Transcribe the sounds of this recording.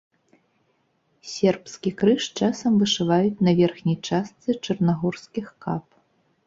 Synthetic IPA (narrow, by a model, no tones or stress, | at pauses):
sʲɛrpskʲikɾɨʂt͡ʂasɐmvɨʂɨvajut͡sʲnɐvʲɛrxnʲɐjt͡ʂast̪sɨt͡ʂɐrnaɣɔrskʲixkap